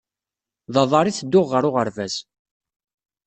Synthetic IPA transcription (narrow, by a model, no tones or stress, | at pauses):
ðˤɑðˤɑɾˤiθəd̪ːʊʁːəɾʊʁəɾvæz